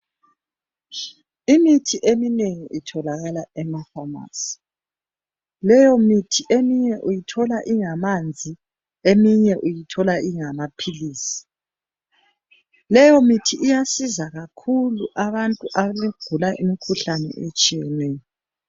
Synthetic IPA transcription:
imitʰiʔemineŋiʔitʰɔlaɣalaɛmafama̰ːsi̥ | lɛjɔmitʰiʔemiɲɛʔujitʰɔlaʔiŋamand͡zʱi | emiɲɛʔujitʰɔlaʔiŋamapʰiliːsi̥ | lɛjɔmitʰiʔːjasizaɣakʰuluʔaβantʼuʔaβaliɡ̥ʱulaʔimikʰuɬanɛ̰ʔet͡ʃʼijɛnwɛːn

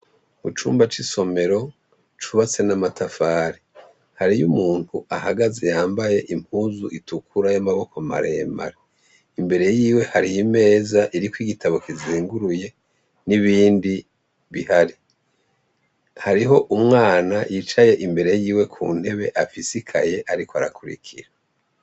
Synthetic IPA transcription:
mut͡ʃṵːmbat͡ʃiso̞me̞ɾo̞ | t͡ʃuβat͡se̞namatʰafaːɾi | haɾijumuːn̥huʔahaɡazejaːmbaje̞ʔimʰuːzuʔitukʰuɾajamaβo̞koma̰ɾḛːma̰ɾe | imbe̞ɾe̞jiːwe̞haɾijime̞ːzaʔiɾikwiɡitaβo̞kiziːŋɡuɾuje̞ | niβiːndi | βihaɾi | haɾiɦo̞ʔumŋaːnajit͡ʃaje̞ʔimbe̞ɾe̞jiːwe̞kʰṵːn̥he̞βeʔafisikʰa̰je̞ʔaɾikoaɾakʰuɾḭkʰḭɾa

